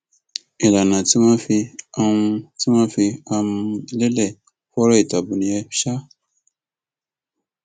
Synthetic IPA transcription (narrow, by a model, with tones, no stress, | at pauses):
e˨la˨nã˨ti˨˦mã˦fi˧a˦˧ũ˧ti˦mãː˦fi˧a˧mũ˧˦le˦lɛ˦˨ | fɔ˦ɾɔ˦i˦˨ta˨bu˨nĩ˨˦ɛ˧˦ʃa˦